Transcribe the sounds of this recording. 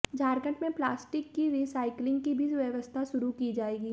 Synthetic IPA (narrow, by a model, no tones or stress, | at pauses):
d͡ʒʱaːɾkə̃ɳʈmẽplaːsʈɪkːiɾiːsaːɪklɪ̃ŋɡ̚kibʱiʋjəʋəst̪ʰaʃʊɾukid͡ʒaːeːɡiː